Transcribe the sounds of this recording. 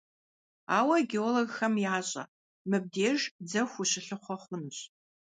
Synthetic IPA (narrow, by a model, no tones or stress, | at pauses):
aːwɐɡeoloɡxɐmjaːɕʼɐ̰ | mɨb̚deːʒd͡zɐxʷuɕɪɬɨχʷɔχʷʊnɕ